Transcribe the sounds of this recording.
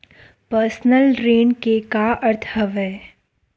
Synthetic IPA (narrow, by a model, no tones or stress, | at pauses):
pəɾsnəlɾeːnkekaɐɾt̪ʰəʋɦɛː